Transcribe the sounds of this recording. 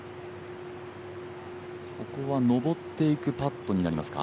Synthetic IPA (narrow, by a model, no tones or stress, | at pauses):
ko̞ko̞βano̞bo̞t̪ːe̞ikɯ̟pat̪ːo̞ɲ̟inaɾʲimasɨ̥ka̰